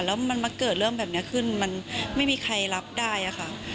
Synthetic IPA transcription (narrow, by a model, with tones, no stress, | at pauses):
lɛː˦˥wma˧nmaː˧kɤː˨˩t̪̚lɤ˥˩mbɛː˨˩p̚ni˦˥ɐkʰɯ˥˩nma˧nma˥˩jmiː˧kʰa˧jla˦˥p̚daː˥˩jʔa˨˩xʰa˥˩ʔ